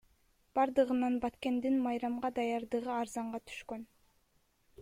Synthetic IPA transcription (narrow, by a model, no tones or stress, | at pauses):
b̥ɑɾd̪ɯʁɯnɑnbɑt̪ke̞nd̪inmɑjɾɑmʁɑd̪ɑjɑɾd̪ɯʁɯɑɾzɑɴʁɑt̪ʰy̥ʃkøn